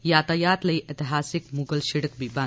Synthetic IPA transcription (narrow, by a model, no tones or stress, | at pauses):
jaːt̪ɐjaːt̪lɐiʔet̪iɦaːsikmuɡəlʃiɽək̚bibã